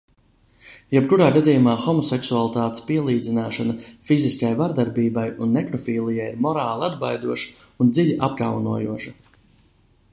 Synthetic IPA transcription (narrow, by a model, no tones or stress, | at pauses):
jɛbkuɾaːɡad̪ijumaːxɔmɔsɛksualˠt̪aːt̪e̥spiɛlˠiːd̪zinaːʃanafiziskajvaɾd̪aɾbiːbajunːɛkɾɔfiːlˠijajiɾmɔɾaːlˠiad̪bajd̪uɔʃḁund̪ziʎʲiʔap̚ka̰wnuɔjṵɔʃɐ